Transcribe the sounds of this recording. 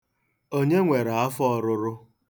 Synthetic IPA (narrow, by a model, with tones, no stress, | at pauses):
o˦ɲe˦ŋʷe˨ɾa˨a˦fɔ˦˨ɾʊ˦ɾʊ˦